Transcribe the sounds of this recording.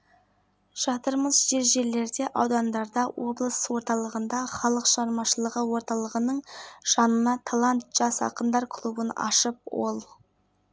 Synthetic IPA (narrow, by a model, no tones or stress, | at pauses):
ʃɑt̪əɾməzʒe̞ɾʒe̞ɾle̞ɾd̪e̞ʔɑwd̪ɑnd̪ɑɾd̪ɑwo̞blˠəswo̞ɾt̪ɑlˠəʁənd̪ɑχɑlˠəqʃəʁɑɾmɑʃəlˠəʁəwo̞ɾt̪ɑlˠəʁənəɴʒ̥ɑnənɑt̪ʰalˠant̪ʒ̥ɑsɑ̰qənd̪ɑɾkʰlˠubənɑ̰ʃəp̚wo̞lˠ